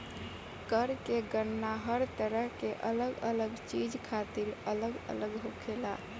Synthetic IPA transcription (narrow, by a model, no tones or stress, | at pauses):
kəɾkeɡənːaɦəɾt̪əɾəɦkeʔə̰ləɡə̰ləɡt͡ʃid͡ʒkʰat̪iɾələɡə̰ləɡɦokʰela̰